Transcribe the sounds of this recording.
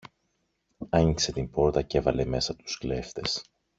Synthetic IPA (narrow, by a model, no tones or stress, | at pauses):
ɐɲikse̞t̪impo̞ɾt̪ɐce̞vɐle̞me̞sɐt̪u̥skle̞ft̪e̞s